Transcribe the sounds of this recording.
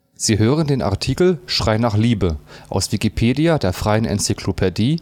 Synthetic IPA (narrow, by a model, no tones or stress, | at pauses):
z̥iːɦøːʁ̞əndeːnʔa̰ɐtʰiːkl̩ʃʁ̥aɪnaːχliːbəʔa̰ʊsv̥ikipʰeːdiadeːɐfʁ̥aɪənʔɛ̰nt͡sikʰlopʰɛdiː